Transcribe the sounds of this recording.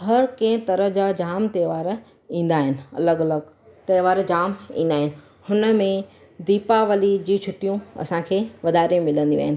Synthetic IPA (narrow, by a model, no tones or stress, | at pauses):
ɦɐɾkɐ̃ɪ̃t̪ɐɾəɦd͡ʑad͡ʑaːmt̪eːʋaːɾ | ĩːn̆d̪aːɦɪnɪ̆ɐ̰ləɡɐləɡ | t̪ɐːʋaːɾd͡ʑaːmḭ̃ːn̆d̪aːɦɪnɪ̆ | hʊnə̆mẽ | d̪iːpaʋɐlid͡ʑiːt͡ɕʰʊʈijũɐ̰sãkʰeːʋɐd̪aːɾiũmɪlə̃nd̪ḭ̃a̰ːɦɪnɪ